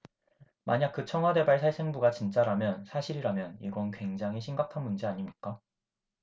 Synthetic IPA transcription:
maɲak̚k͈ɯt͡ɕʰʌŋɦwade̞baɭsʰaɭsʰe̞ŋbuɡat͡ɕint͡ɕ͈aɾamjʌnsʰaɕʰiɾiɾamjʌnḭɡʌnkwe̞ŋd͡ʑaŋɦiɕʰimɡakʰanmund͡ʑiaɲimɲik͈a

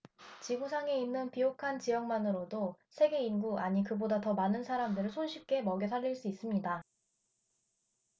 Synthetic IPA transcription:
t͡ɕiɡusʰaŋe̞inːɯnpiokʰant͡ɕijʌŋmanɯɾodosʰe̞ɡe̞inɡuaɲikɯbodatʌmanɯnsʰaɾamdɯɾɯɭsʰonɕʰip̚k͈e̞mʌɡjʌsʰaʎːiɭs͈uis͈ɯmɲida

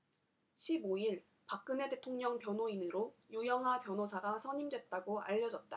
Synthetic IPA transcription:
ɕʰiboiɭ | pak̚k͈ɯne̞te̞tʰoŋɲʌŋpjʌnɦoinɯɾojujʌŋɦapjʌnosʰaɡasʰʌɲimdwe̞t̚t͈aɡoa̰ʎːʌd͡ʑʌt̚t͈a̰

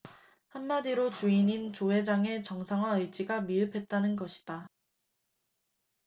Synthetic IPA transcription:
hamːadiɾot͡ɕuinint͡ɕoɦe̞d͡ʑaŋe̞t͡ɕʌŋsʰaŋɦwaɯɭt͡ɕ͈iɡamiɯpʰe̞t̚t͈anɯnɡʌɕʰi̥d̥a

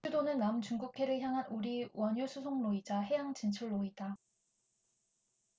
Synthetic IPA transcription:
udonɯnːamt͡ɕuŋɡukʰe̞ɾɯɭçjaŋɦanuɾiwʌɲusʰusʰoŋnoid͡ʑahe̞jaŋt͡ɕint͡ɕʰuɭːoida

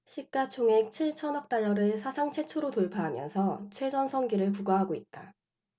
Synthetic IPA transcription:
ɕʰik̚k͈at͡ɕʰoŋek̚t͡ɕʰiɭt͡ɕʰʌnʌk̚t͈aɭːʌɾɯɭsʰasʰaŋt͡ɕʰe̞t͡ɕʰoɾotoɭpʰaɦːmjʌ̰nsʰʌt͡ɕʰwe̞d͡ʑʌnsʰʌŋɡiɾɯɭkuɡaɦaɡoit̚t͈a

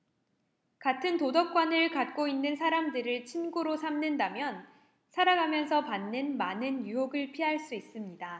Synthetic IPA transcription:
katʰɯntodʌk͈wʌnɯɭkat̚k͈oinːɯnsʰaɾamdɯɾɯɭt͡ɕʰinɡoɾosʰamnɯndamjʌn | sʰaɾaɡamjʌnsʰʌpanːɯnmanɯnjujoɡɯɭpʰiɦaɭs͈uis͈ɯmɲida

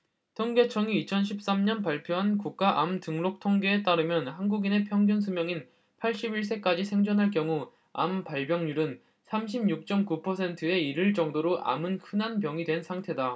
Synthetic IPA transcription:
tʰoŋɡe̞t͡ɕʰʌŋiːt͡ɕʰʌnɕʰip̚s͈amɲʌnpaɭpʰjoɦankuk̚k͈aʔamtɯŋlok̚tʰoŋɡe̞ːt͈aɾɯmjʌnhanɡuɡine̞pʰjʌŋɡjʌns̬ʰumjʌŋin | pʰaɭɕ͈ibiɭs͈e̞k͈ad͡ʑisʰe̞ŋd͡ʑʌnɦaɭk̬jʌŋu | a̰mpaɭbjʌŋɲuɾɯn | sʰamɕ̬ʰibɲuk̚t͡ɕ͈ʌmkupʰʌsʰe̞ntʰɯe̞iɾɯɭt͡ɕ͈ʌŋdoɾoʔa̰mɯnkʰɯnɦanpjʌŋidwe̞nsʰaŋtʰe̞da

